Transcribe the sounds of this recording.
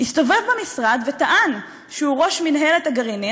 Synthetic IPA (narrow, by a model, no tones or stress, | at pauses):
hist̪o̞ve̞vbemisʁad̪vet̪aʔan | ʃeuʁo̞ʃminɦe̞let̪aɡaʁini